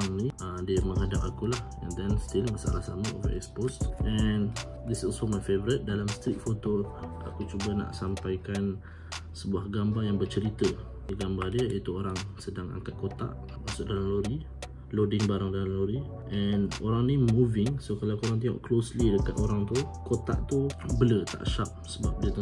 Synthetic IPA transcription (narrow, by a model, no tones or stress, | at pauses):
aŋniəmdiəmə̃ŋɦadapakulah | ɛ̰̃nd̪ɛnst̪ilmasa̰lahsamao̰və̰ɛ̰kspostʔɛn | d̪isɔlsomajfevəɾət̪̚dalamst̪ɾik̪̚fot̪o | a̰kut͡ʃubana̰ʔsampajkan | səbuahɡambajaŋbət͡ʃəɾit̪ə | diɡambadiəit̪uoɾaŋsədaŋa̰ŋkat̪̚kot̪a̰ʔ | maʔsʊʔdalaloɾi | lodɪŋbaɾaŋdalloɾi | ʔɛnoɾaŋnimuvɪŋsokalakoɾaŋt̪̬iɔ̰ʔkloslidəkat̪oɾaŋt̪ukot̪a̰ʔt̪ubələt̪a̰ʔʃap̚səbap̚diət̪